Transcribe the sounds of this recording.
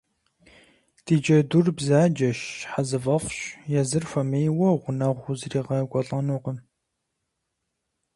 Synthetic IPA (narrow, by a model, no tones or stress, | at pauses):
d̥id͡ʒɐdurbzaːd͡ʒɐʃħazɨvɐfɕjɛzɨrfʷɐmejwɔʁʷʊnɐʁʷʊzriːʁɐɡʷɔɬʼɐnuqəm